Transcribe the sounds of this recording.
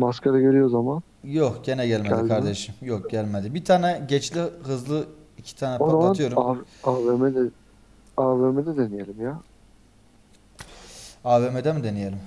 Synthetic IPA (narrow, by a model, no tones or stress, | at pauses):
maskʰaɾaɡøɾyjozaman | jokɟe̞nɛɟælʲmed̪lʲkʰaɾd̪eʃɯmjok̚ɟ̥ælʲmed̪ibit̪ʰaːnɛɟɛt͡ʃlʲiɦɯzlˠɯicʰi̥t̪ʰaːnɛpod̪aaat̪ʰɯjo̞ɾuaaːvemɛd̪ɛ | aːvemed̪ɛd̪enijelʲimja | aːveːmed̪ɛmid̪enije̞lʲim